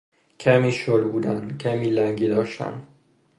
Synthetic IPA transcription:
cʰæmiːʃoɾbuːd̪æncʰæmiːlæŋɟiːd̪ɒːʃt̪æ̰n

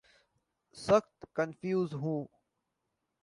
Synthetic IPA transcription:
sɐxt̪kɐnfjuːzɦũː

